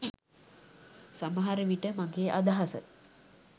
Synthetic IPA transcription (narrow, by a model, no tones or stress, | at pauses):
saməɦaɾəʋiʈəmaŋɡeːʔad̪aɦasə̰